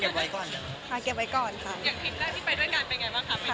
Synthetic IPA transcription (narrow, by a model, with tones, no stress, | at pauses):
ke˨˩p̚wa˦˥jkɔː˨˩nt͡ɕa˨˩ | kʰa˧˩ke˨˩p̚wa˦jkɔː˨˩nkʰa˦˥˩jaː˨˩ŋpʰi˨˩t̪̚da˦˥˩t̪ʰiː˥˩pa˧jdu˥˩əjkaː˧npe˧nŋa˧˩jbaː˥˩ŋkʰa˦˥m˦˥˩